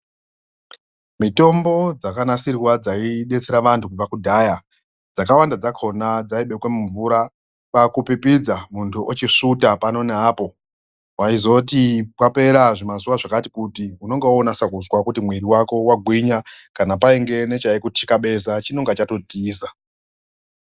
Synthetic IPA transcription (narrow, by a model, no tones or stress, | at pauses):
mito̞mbo̞d͡zakanasiriwad͡zaiɗe̞t͡se̞ɾaʋantʰukuakudʱaja | d͡zakawandad͡zakʰo̞nad͡zaiɓe̞kwe̞muɱvuɾa | pakupipid͡zamuntʰuʔot͡ʃiʂutapano̞neapo̞ | waizo̞tipape̞ɾaʐimazuʋaʐakatikutiuno̞ŋɡeonasakuzwakutimwiɾiwako̞waɡʱwiɲakanapaiŋɡe̞ne̞t͡ʃaekutʰikaɓe̞sat͡ʃino̞ŋɡat͡ʃato̞tiiːsa